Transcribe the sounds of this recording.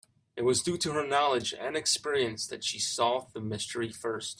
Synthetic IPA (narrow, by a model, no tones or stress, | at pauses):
ɨt̚wʌzdʉɾɨə˞nɑlˠɨd͡ʒɨ̰̃nɨkspɪɹiɨ̃nsðɨtʃisɔðəmɪstʰə˞ifɜ˞st